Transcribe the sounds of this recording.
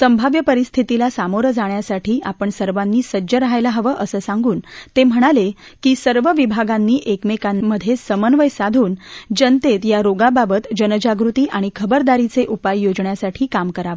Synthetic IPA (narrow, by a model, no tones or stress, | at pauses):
səmbʱaʋjəpəɾist̪ʰit̪ilasamoɾəd͡zaɳjasaʈʰiːʔapəɳsəɾʋanːiːsəd͡ʑəɾaɦajlaɦəʋəʔəsəːsaŋɡuːnt̪em̤əɽ̃alekiːsəɾʋəʋibʱaɡanːiːʔekmekanːəd̪ʱːjesəmənʋəjsad̪ʱuːnd͡ʑənt̪et̪jaɾoɡababət̪d͡ʑənəd͡ʑaɡɾut̪iːʔaɽ̃ikʰəbəɾd̪aɾit͡seʔupajːod͡zɳjasaʈʰiːkamkəɾaʋə